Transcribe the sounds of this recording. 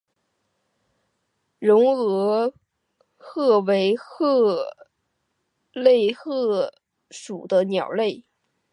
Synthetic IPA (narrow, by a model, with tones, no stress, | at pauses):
ɻʊ˧˥ŋɤ˧˥ | xɤ˥˩we˧˥ɪxɤ˥˩ | le˥˧ɪxɤ˥˩ | ʂu˨˩d̪ə˦njɑ˨˩ʊle˥˩ɪ